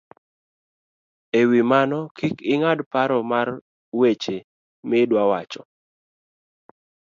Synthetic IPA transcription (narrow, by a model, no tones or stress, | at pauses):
ewimanɔkikɪŋadpaɾɔmar | wet͡ʃe | mɪdwawat͡ʃɔ